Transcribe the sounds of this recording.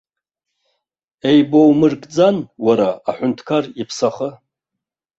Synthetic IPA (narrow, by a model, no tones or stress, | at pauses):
e̞jbo̞wmɨrkʼd͡zanwaɾaːħʷʊntʰkʰaripʰsaχə